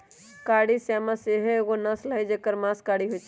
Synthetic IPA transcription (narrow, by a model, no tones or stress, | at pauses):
kaːɽisaːmãseɦeɡonɐsləɦed͡ʒekəɾmãːskaːɽiɦot͡ʃ